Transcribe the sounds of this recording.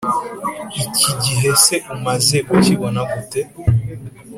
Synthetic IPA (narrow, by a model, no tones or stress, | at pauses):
iciɟiɦe̞seʔumaze̞kuciβonaβute